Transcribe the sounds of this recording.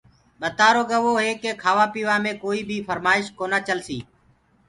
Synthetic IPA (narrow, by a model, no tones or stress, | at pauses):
ɓət̪aːɾoːɠəʋoːɦeːkeːkʰaːʋaːpiːʋaːmẽːkoːiːbʱiːfʰəɾmaːɪʃkoːnaːt͡ʃəlsiː